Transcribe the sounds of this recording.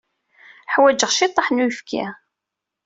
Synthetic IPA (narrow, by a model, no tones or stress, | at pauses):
ħwæd͡ʒəʁʃit̪ˤːəħnujəfkæ̰